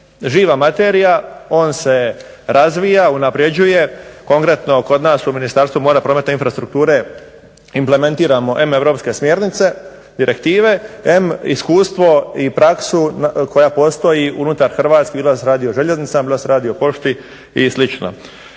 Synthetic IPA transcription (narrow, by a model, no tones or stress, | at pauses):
ʒiːʋamat̪e̞ːɾijao̞ːnse̞ | ɾazʋijaunapɾje̞d͡ʑuje̞ko̞ŋkɾe̞t̪no̞ko̞d̪naːsuminist̪aɾst̪ʋumo̞ːɾapɾo̞met̪neinfɾast̪ɾuk̚t̪uːɾe̞ | imple̞me̞nt̪iːɾamo̞ʔe̞me̞ʋɾo̞ːpske̞smʲje̞ːɾnit̪se̞ | d̪iɾe̞kt̪iːʋe̞emiskuːst̪ʋo̞ipɾaksuko̞japo̞st̪o̞jiunut̪aɾxr̩ʋaːt̪skibilˠasɾaːd̪ioʒe̞ʎe̞znit̪sambilˠaseɾaːd̪iopo̞ʃt̪i | islit͡ʃno̰